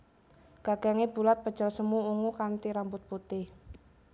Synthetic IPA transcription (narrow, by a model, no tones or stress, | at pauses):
ɡ̥aɡ̥a̤ŋeb̥ṳlat̪̚pəd̥ʒ̥a̤lsəmuuŋukant̪iɾambʊt̪̚put̪ɪh